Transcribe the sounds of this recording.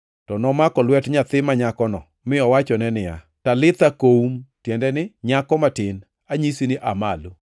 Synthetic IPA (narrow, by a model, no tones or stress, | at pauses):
tɔnɔmakɔlwɛtɲat̪ɪmaɲakɔnɔ | mɪɔwat͡ʃɔnɛnɪja̰ | talɪt̪akoumtjɛndɛnɪɲakɔmatɪn | aɲisinɪʔamalo